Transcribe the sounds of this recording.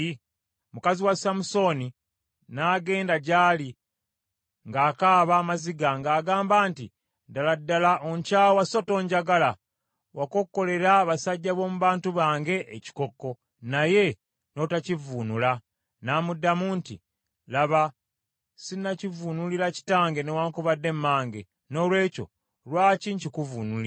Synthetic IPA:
mukaziwasamuso̞ni | naːɡe̞ːndaɟaːli | ŋɡaːkaːβaːmaziɡaŋɡaːɡaːmbaːnti | daladːalaʔoɲcaːwaso̞to̞ːɲɟaɡala | wako̞kːo̞le̞ɾaβasaɟːaβo̞ːmuβaːntuβaːŋɡe̞ʔːci̥ko̞kːo̞ | naje̞ | no̞tacivunula | naːmudːamuntḭ | laβa | sinacivunuliɾaci̥taːŋɡe̞newaːŋkuβadːe̞mːaːŋɡe̞ | no̞ːlwe̞ːco̞̰ | lwaːciɲcikuvuːnuli

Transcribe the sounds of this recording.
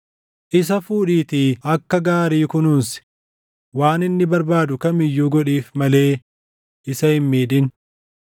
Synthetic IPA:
ʔɪs̬ɐfuːᶑiːt̪iːɐkːɐɡaːɾiːkʊnuːnsɪ̥ | waːnɪnːɪbɐɾbaːd̪ʊkɐmɪjːuːɡɔᶑiːfmɐle̞ː | ɪsɐɪmːiːᶑɪn

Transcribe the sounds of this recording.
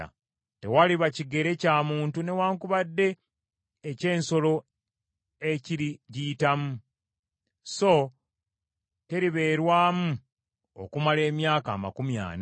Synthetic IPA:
a̰ | te̞̰waliβaciɡe̞ɾe̞caːmuːntune̞waːŋkuβadːe̞ː | ce̞ːnso̞lo̞ | eciɾiɟiːtamu | so̞ | te̞ɾiβe̞ːɾwaːmu | o̰kumale̞ːmjaːka̰ːma̰kumja̰ːna

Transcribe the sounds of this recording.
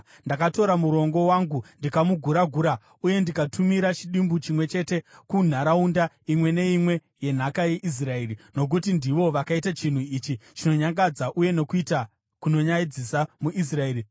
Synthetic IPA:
ndakato̞ɾamuɾo̞ŋɡo̞waːŋɡundikamuɡʱuɾaɡʱuːɾa | uje̞ndikatʰumiɾat͡ʃiɗimbut͡ʃimwe̞t͡ʃe̞te̞kun̤aɾaunda | imwe̞ne̞imwe̞ | je̞n̤akaje̞ʔis̬rae̞ːɾino̞k̬utindiʋo̞ʋakaitat͡ʃin̤uit͡ʃit͡ʃino̞ɲaŋɡad͡zaʔuje̞no̞kuita | kuno̞ɲaid͡zisamuʔis̬rae̞ːɾi

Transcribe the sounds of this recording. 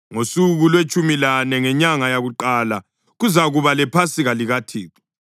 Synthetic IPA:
ŋosuɣulwet͡ʃʼumilanɛŋɛɲaŋajaɣuǃala | ɣuzaɣuβalɛpʰasiɣaliɣatʰiːǁi̥

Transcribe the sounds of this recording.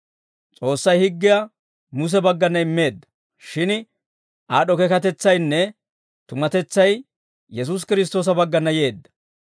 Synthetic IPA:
t͡sʼo̞ːsːɐjhɪɡːɪja | mʊs̬ɛbɐɡːɐnːɐɪmːe̞ːd̪ːɐ̥ | ʃɪn | ʔaːɗɔkɛkɐt̪ɛt͡sːɐjnːɛ | t̪ʊmɐt̪ɛt͡sːɐj | jɛs̬us̬kɪɾɪs̬t̪o̞ːs̬ɐbɐɡːɐnːɐje̞ːd̪ːɐ̥

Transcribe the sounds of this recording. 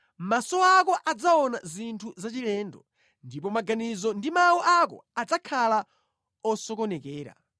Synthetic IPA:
masɔakɔʔad͡zaɔna̰zintʰuzat͡ʃilɛːndɔ | ndipɔmaɡanizɔndimawɔʔakɔ̰ad͡zakʰala | ɔsɔkɔnɛkɛːɾa̰

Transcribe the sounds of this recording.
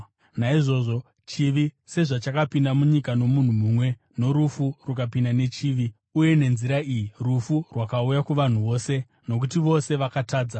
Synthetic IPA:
naiʐo̞ʐo̞ | t͡ʃiʋi | se̞ʐat͡ʃakapindamuɲikano̞mun̤umumwe̞ | no̞ɾufurukapindane̞t͡ʃiːʋi | uje̞ne̞nziɾaiːjirufurwakaujakuʋan̤uʋo̞ːse̞ | no̞k̬utiʋo̞se̞ʋakataːd͡za

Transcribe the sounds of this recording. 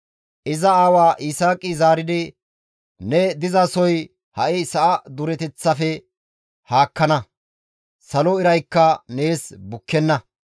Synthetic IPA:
ʔɪzɐaːwaːʔɪsaːkʼːɪzaːɾɪd̪ɪ | nɛd̪ɪzɐsɔj | hɐʔɪsɐʔɐd̪ʊɾɛt̪ɛt͡sːɐfɛ | haːkːɐnɐ | sɐlɔɪɾɐjkːɐne̞ːsbʊkːɛnːɐ

